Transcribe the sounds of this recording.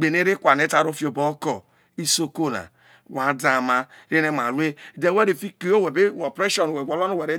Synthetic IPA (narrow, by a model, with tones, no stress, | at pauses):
ɡ͡be˨ne˦ɾi˦kʷa˨ne˦ta˨ɾo˦fi˦o˨bo˦kɔ˨ | i˦so˦ko˦la̰˨ | wa˨da˨ma˦ | ɾe˦ne˦ma˨ɾʷu˦e˦˨de˨we˦ɾi˨fi˦ki˨o˦we˨be˦o˨pɾe˦ʃɔ˨n˨we˨ɡʷɔ˨lɔ˦no˦we˨ɾe˦